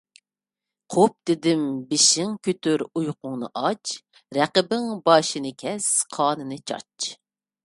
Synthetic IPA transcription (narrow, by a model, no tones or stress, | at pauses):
qʰop̚d̪̥ɪd̪ɪmbɪʃɪŋkʲʰyt̪yɾujqʊŋnɨ̰ʔɑt͡ʃ | ɾɛqəbɪŋbɑːʃinɨkʲʰɛsqʰɑːnɨnɨt͡ʃʰɑ̰t͡ʃ